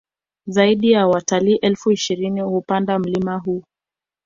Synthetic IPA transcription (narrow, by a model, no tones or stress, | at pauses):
zaiɗijawataliʔɛlfuiʃiɾinihupandam̩limaɦuː